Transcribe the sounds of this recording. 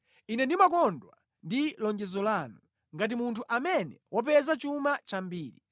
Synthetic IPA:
inɛndimakɔndwa̰ | ndilɔɲd͡ʒɛzɔlaːnu | ŋɡat̬imuntʰuʔamɛnɛwɔp̬ɛzat͡ʃumat͡ʃambiːɾḭ

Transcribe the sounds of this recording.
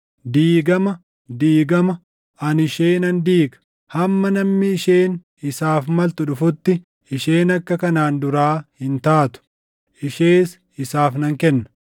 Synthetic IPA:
d̪iːɡɐmɐ | d̪iːɡɐmɐ | ɐnɪʃeːnɐnd̪iːɡɐ̥ | hɐmːɐnɐmːɪːʃeːn | ɪsaːfmɐlt̪ʊᶑʊfʊt̪ːɪ | ɪʃeːnɐkːɐkɐnaːnd̪ʊɾaːhɪnt̪aːt̪ʊ̥ | ʔɪʃeːs | ɪsaːfnɐŋkɛnːɐ̥

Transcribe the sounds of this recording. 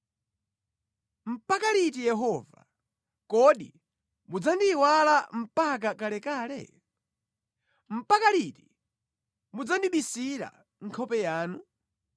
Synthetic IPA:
m̩pakaɾit̬ijɛɦɔːva̰ | kɔɗi | mud͡zandiwalam̩pakakalɛkaːlɛ̰ | m̩pakaɾiti | mud͡zandiɓisiɾa̰ | ŋ̩kʰɔpɛjaːnu

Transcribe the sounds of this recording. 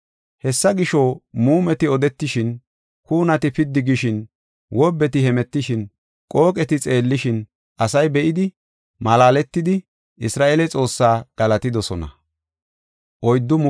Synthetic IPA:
hɛsːɐɡɪʃoːmuːmɛt̪ɪɔd̪ɛt̪ːɪʃɪn | kuːnɐt̪ɪpɪd̪ːɪɡɪʃɪn | wɔbːɛt̪ɪhɛmɛt̪ːɪʃɪn | kʼo̞ːkʼɛt̪ɪt͡sʼe̞ːlːɪʃɪn | ʔɐsɐjbɛʔɪd̪ɪ | mɐlaːlɛt̪ːɪd̪ɪ | ʔɪsɾaːʔeːlɛt͡sʼo̞ːsːaːɡ̥ɐlɐt̪ɪd̪ɔsɔnɐ̰ | ʔɔjd̪ːʊm

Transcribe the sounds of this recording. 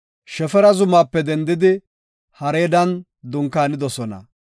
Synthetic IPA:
ʃɛfɛɾɐzʊmaːpːɛd̪ɛnd̪ɪd̪ɪ | hɐɾeːd̪ɐn | d̪ʊŋkːaːnɪd̪ɔsɔnɐ̰

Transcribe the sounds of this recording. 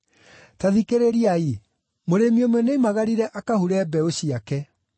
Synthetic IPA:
taðikeɾeɾiai | moɾemiomwɔnemaɣaɾiɾɛʔakahuɾɛbɛoɕiakɛ

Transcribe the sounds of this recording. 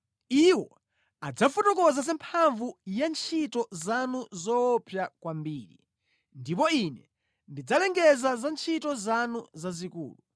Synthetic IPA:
iwɔ̰ | ad͡zafutɔkɔzas̬ɛmpʰaɱvujant͡ʃʰitɔzanuzɔpʰjakwambiːɾḭ | ndip̬ɔinɛ | ndid͡zalɛŋɡɛzazant͡ʃʰitɔzanuzazikṵːlu

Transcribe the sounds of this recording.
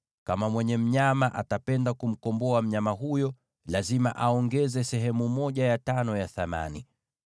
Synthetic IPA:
kamamwɛɲɛm̩ɲamaʔa̰tapɛndakum̩kɔmbɔam̩ɲamaɦujɔ | lazima̰ʔaɔŋɡɛzɛsɛɦɛmumɔʄajatanɔjaθama̰ni

